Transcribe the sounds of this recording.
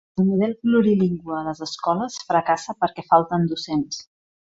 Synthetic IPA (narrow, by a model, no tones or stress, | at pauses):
əlˠmuðɛlkluɾiliŋɡwəːləzəskɔləsfɾəkasəpəɾkɛfalˠt̪ənd̪usens